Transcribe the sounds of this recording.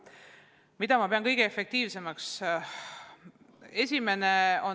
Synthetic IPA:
mid̪̥ɑmɑpe̞ɑnkɤjɡ̥eefek̚t̪iːvse̞mɑks | e̞sʲime̞ne̞o̞

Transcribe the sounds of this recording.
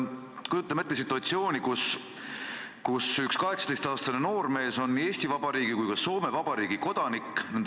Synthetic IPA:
kujut̪ːˑɑmet̪ːes̬it̪ːˑuɑt̪sio̞ːnʲikus | kusykskɑɦe̞ksɑ̥t̪est̪ɑːst̪ɑneno̞ːrme̞ːso̞nːie̞ːsʲt̪ivɑb̥ɑɾiːɡ̥ikujkɑso̞ːme̞vɑbɑɾiːɡiko̞d̪̥ɑnikːˑnen

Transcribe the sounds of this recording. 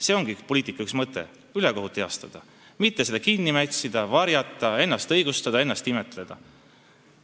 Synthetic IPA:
se̞o̞ŋɡ̥ipoliːt̪ːˑikːˑɑyksmɤt̪ːˑe̞̰ | yleko̞ɦut̪ːˑeɑst̪ɑd̪̥ɑ | mit̪ːesed̪̥ɑkinːimæt̪ʲsid̪̥ɑvɑɾjɑt̪ˑːɑe̞nːɑst̪ɤjɡ̥ust̪ɑd̪̥ɑe̞nːɑst̪ime̞t̪ːˑle̞d̪̥ɑ

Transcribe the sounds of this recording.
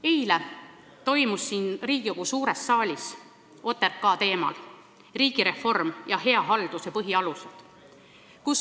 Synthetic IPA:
ejle | t̪o̞jmusːiːnriːɡ̥ioɡ̥usuːɾesːɑːlʲis | o̞t̪ːˑerkːɑːt̪e̞ːmɑ̰l | riːɡ̥iɾe̞fo̞rmjɑɦe̞ɑɦɑld̪̥usjɑpɤɦiɑlused̪̥ | kus

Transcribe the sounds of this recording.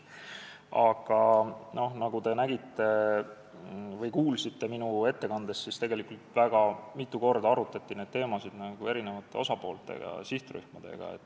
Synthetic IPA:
ɑɡ̥ɑno̞hnɑɡ̥ud̪e̞næɡit̪ːe̞ | vɯjkuːlsit̪ːe̞minue̞t̪ːe̞kɑnd̪̥esːist̪e̞ɡe̞likːult̪væɡ̥ɑmit̪ːˑuko̞rd̪ɑɑɾut̪ːˑɑt̪ːine̞d̪̚t̪e̞ːmɑsid̪̥nɑɡ̥ue̞ɾine̞vɑt̪ːˑe̞̰o̞sɑpo̞ːlt̪ˑe̞̰ɡɑ̰siht̪ry̰hmɑd̪̥e̞̰ɡ̥ɑ̰ḛt̪ːˑ

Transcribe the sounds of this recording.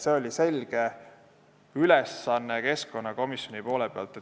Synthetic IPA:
se̞o̞lʲise̞lʲɡ̥e̞ | ylɛsːɑnːeke̞sko̞nːɑko̞misjo̞nipo̞ːlepeɑ̰lt̪ˑe

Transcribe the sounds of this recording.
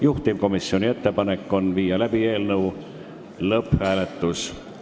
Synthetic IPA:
juht̪imko̞misːio̞nʲie̞t̪ːe̞pɑnekːˑo̞nviːjɑlæbie̞ːlnɤw | lɤpːhæːle̞t̪ːˑus

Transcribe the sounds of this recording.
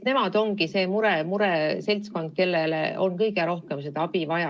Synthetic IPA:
ne̞mɑd̪̥o̞ŋɡise̞ːmuɾemuɾese̞lʲt̪sko̞nd̪̥̚ke̞lːelḛʔo̞nkɤjɡeɾo̞hke̞msed̪ɑɑb̥ivɑjɑ

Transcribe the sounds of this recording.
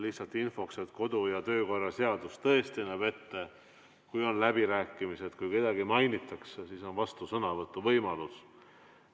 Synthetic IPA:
liht̪sɑlt̪ˑinfo̞kset̪ko̞d̪ujɑt̪ø̞ːko̞rːɑse̞ɑd̪ust̪ɤest̪inɑve̞t̪ːe | kujo̞nlæb̥iɾæːkˑːimise̞d̪kujke̞d̪ɑɡimɑjnit̪ːˑɑksesiso̞nvɑst̪usɤnɑvɤt̪ːˑuvɤjmɑlus

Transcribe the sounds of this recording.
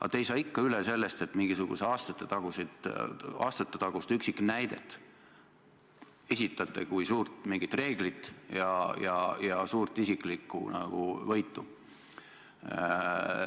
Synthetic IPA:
ɑ̰t̪ejsɑːikːɑylese̞lːest̪e̞t̪ːˑmiŋɡ̥isuɡ̥ṵseɑːst̪ɑ̥t̪ːˑet̪ɑɡ̥used̪̥ɑ̰ːst̪ɑt̪ːet̪ɑɡ̥ust̪yksiknæjd̪̥e̞t̪ːˑ | e̞sʲit̪ːˑɑt̪ːˑekujsuːrt̪miŋɡ̥it̪ˑre̞ːɡ̥lit̪ˑjɑjɑ̰jɑsuːrt̪ˑisikˑlikːˑṵnɑ̰ɡ̥ṵvɤjt̪ːˑu

